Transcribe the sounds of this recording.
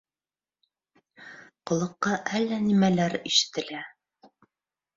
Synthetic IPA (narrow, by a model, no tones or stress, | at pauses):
qŏlˠɤ̆qːɑʔælːænimælæɾiʃɘ̥̆t̪ɘ̆læ